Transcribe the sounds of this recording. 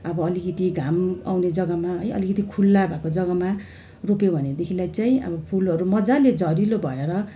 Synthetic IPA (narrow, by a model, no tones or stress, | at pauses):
ʌbʌːlikit̪iɡʱama̰wned͡zʌɡʌmaɦʌjʌ̰likit̪ikʰulːabʱakod͡zʌɡʌma | ropobʱʌned̪ekʰilajt͡saĩʌ̰bʌpʰulʌɾumʌd͡zaled͡zʌɾilobʱʌeɾʌ